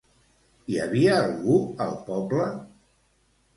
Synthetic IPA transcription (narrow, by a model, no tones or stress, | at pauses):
ia̰βiəːlˠɣuəlˠpɔblə